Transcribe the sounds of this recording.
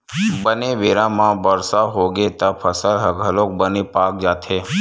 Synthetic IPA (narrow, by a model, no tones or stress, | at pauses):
bəneʋeːɾãmãbəɾsaɦoɡet̪apʰəsəlɦəɡʱəlõk̚bənepaːk̚d͡ʒaːt̪ʰe